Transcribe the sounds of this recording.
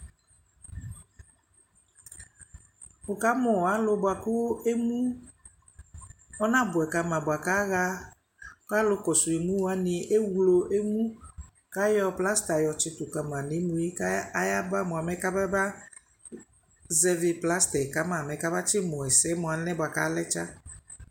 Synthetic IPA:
ʊ˨ka˨˦mʊ˨a˨˦lʊ˦bʊ˨a˨kʊ˦e˦mũ˦ | ɔ˦nã˦bʊ˨ɛ˨ka˧mã˨bʊ˨a˨ka˦ɣa˦ | ka˦lʊ˦kɔ˨su˨e˨mũ˦wa˨˦nɪ̃˨ʔe˦wlo˨ʔe˦mũ˦ | ka˦jɔ˦pla˦st̪a˨jɔ˨t͡ʃɪ˨t̪ʊ˨ka˨mã˨nɪ̃˨˦mũ˨i˦ka˦a˦ja˦ba˦mʊ˨a˨mɛ˦ka˦bɛ˦ba˦ | zɛ˨vɪ˨pla˦st̪ɛ˨ka˨˦mã˨mɛ̃˨ka˦ba˦t͡ʃɪ˦mɔ˨ɛ˨sɛ˦mʊ˨a˨nɛ̃˦bʊ˨a˨ka˨˦lɛ˦t͡ʃa˦

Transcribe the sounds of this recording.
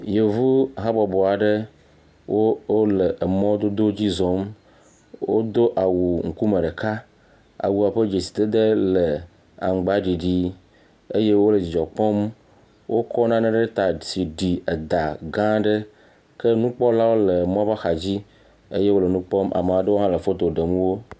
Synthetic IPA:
je˨vu˦˨ɦa˦bɔ˨bɔ˨a˨ɖe˦ | wʔo˦o˦le˨ʔe˨mɔ̃˦o˦d̪o˦d̪o˦d͡ʑi˦zɔ˨˦m | wo̰˦d̪o˦ʔa˨wu˨ŋ̩˨ku˦me˨ɖe˨ka˦ | a̰˨wu˨a˨ɸe˦d͡ʒe˨si̥˨d̪e˦d̪e˦le˨ | a̰˨ŋ˨ɡ͡ba˦ɖi˨ɖi˦ | e˦je˦wo˦le˨d͡ʑi˨d͡ʒɔ˨k͡pɔ˦m | wʔo˦kʰɔ˦nã˦nẽ˦ɖe˦ɖe˦t̪a˨si˨ɖi˨e˨d̪a˨ɡã˦ɖe˦ | ke˦nũ˦k͡pɔ˦la˦wo˦le˨m˦ɔ̃˦ba˦xa˨d͡ʑi˦ | ḛ˦je˦wo˦le˨nũ˦k͡pɔ˦mʔa̰˨me˨a˨ɖe˦wo˦ɦã˦le˨fo˦t̪o˨ɖe˨mũ˦wo˦

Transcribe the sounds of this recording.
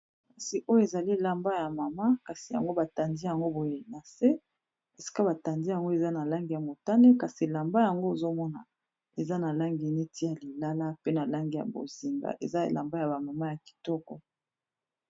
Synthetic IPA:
ka˨si˨ʔo˦jo˦e˨za˨li˦˨la˨mba˦ja˨ma˨ma˦ka˨si˨ja̰˨ŋɡo˦ba˨ta˨ndi˦ja˨ŋɡo˦bo˨je˨na˨se˦ | e˨si̥˦ka˦ba˨ta˨ndi˦ja˨ŋɡo˦e˨za˦na˨la˦ŋɡi˨ja˨mo˨ta˦ne˦ka˨si˨la˨mba˦ja˨ŋɡo˦e˨zo˦mɔ˦na̰˨ | e˨za˦na˨la˦ŋɡi˨ne˦tʰi˦ja˨li˨la˦la˦pe˦na˨la˦ŋɡi˨ja̰˨bo̰˨zi˨ŋɡa̰˨ʔḛ˨za˦ḛ˨la˨mba˦ja˨ba˨ma˨ma˦ja˨ki̥˨tɔ˦kɔ̰˦

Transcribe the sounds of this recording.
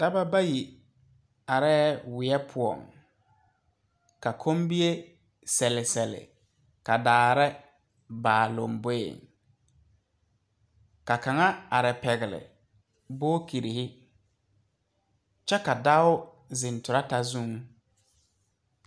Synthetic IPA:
d̥a˦ba˦ba˦ji˨ | a˨ɾɛː˦wɪ˨ɛ˦pʰʊ˨ɔ̰˨ŋ | ka˨kʰo˦mbi˦e˦ | sɛ˨lɪ˨sɛ˨lɪ̰˨ | ka˨daː˨ɾɛ˦ | baː˨lo̰˨mbo˦ḛ˨ŋ | ka˨ka˨ŋa˦a˨ɾɛ˨pɛ˨ɣɪ˨lɪ̰˨ | boː˦ki˨ɾi˨hɪ˦ | t͡ʃɛ˦ka˨da˦ʊ˦ | zɪ˨ntʊ˨ɾa˦ta˨zũ˦ŋ

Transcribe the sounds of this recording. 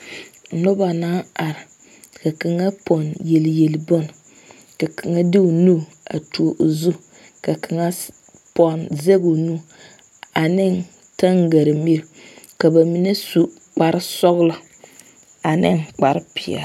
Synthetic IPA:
no˦ba˨naː˦a˨ɾɪ˨ | ka˨ka˨ŋa˦pɔ˨nje˨ljɛ˨lbo˦n˨ | ka˨kʰa˨ŋa˦dɪ˦o˨nu˦˨ | a̰˨tu˨o˨ʔo˨zu˦ | ka˨kʰa˨ŋa˦ | pɔ˨nze˦ɡo˨nu˦ | a˨nɪ˦˨n | ta˦ŋɡa˨ɾɪ˨m˦e˦ɾ | ka˨ba˨mi˨˦ne˦su˦ | k͡pa˨ɾɪ˦sɔ˦ɣlɔ˦ | a˨nɪ˦ŋk͡pa˨ɾɪ˦pɪ˨a̰˨

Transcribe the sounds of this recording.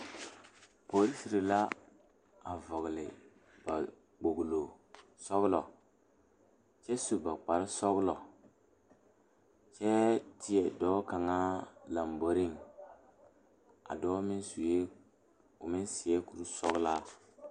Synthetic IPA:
po˨˦ɾi˦si˨ɾi˨la˦ | a˨vɔ˨ɣlɪ˨ | b̥a˨ | k͡po˨ɡlo˨ | sɔ˦ɣlɔ˨ | t͡ʃɛ˦su˨ba˨k͡pa˨ɾɪ˦sɔ˦ɣlɔ˨ | t͡ʃɛ˦tɪ˦ɛ˨dɔː˦ka˨ŋa˦la˨mbo˨ɾi˦ŋ | a̰˨dɔː˦mɪ˦nsu˨je˦ | ʊ˨mɪ˦nsɪ˨ɛ˦ku˨ɾu˦sɔ˦ɣla˦

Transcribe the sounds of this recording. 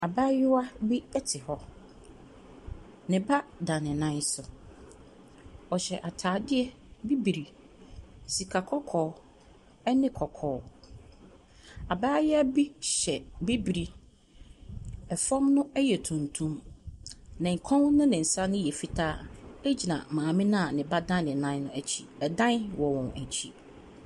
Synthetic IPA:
a˨baː˦jɪ˦wa˦bi˦ɛ˦tʰɪ˨hɔ˦ | nɪ̃˨ba˦dã˨nɪ̃˨nã˦n˦sʊ˨ | ɔ˨ɕɛ˨ʔa˨tʰaː˨dɪ˦ɛ˦ | bi˦bi˨ɾi˨ | si˨kʰa˨kʰɔ˦kʰɔː˨ | ɛ˦nɪ̃˦kʰɔ˨kʰɔː˨˦ | a˨baː˦jɛ˦æ˦bi˦ɕɛ˨bi˦bi˨ɾi˨ | ɛ˨fɔ̃˦mnʊ̃˦æ˦jɛ˨tʰũ˨ntʰũ˦m | nã˨ŋ̩˨kʰɔ̃˦wnʊ̃˦nɪ̃˨n̩˨sa˦nʊ̃˦jɛ˨fi˦tʰaː˦e˦d͡ʑi˨nã̰˨mãː˨mɪ̃˦nã˦˨nɪ̃˨ba˦dã˦n˦nɪ̃˨nã˦n˦nʊ̃˦æ˨t͡ɕʰi˨bɛ˨dã˦nwɔ˨wɔ̃˨næ˨t͡ɕʰi˦

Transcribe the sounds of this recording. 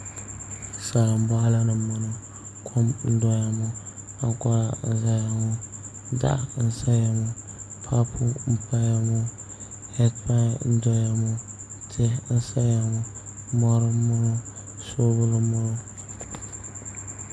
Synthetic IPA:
sa˨la˨m̩˦ba˦la˦nɨ˨mːa˨no˨ | kʰo˦mn̩˦dɔ˦ja˨mo˦ | a˦kɔ˦ɾa˨n̩˦za˦ja˨mo˦ | da̰˦ʔn̩˦sa˦ja˨mo˨ | pʰa˦pʰu˦m̩˦pa˦ja˦mo˦ | hɛ˦dpa˦n̩˦dɔ˦ja˨mo˦ | tʰe˦n̩˦sa˦ja˨mʊ˨mɔ˦ɾo˦mʊ˦no˦ | so˦bʊ˦lɨ˦mʊ˦no˦

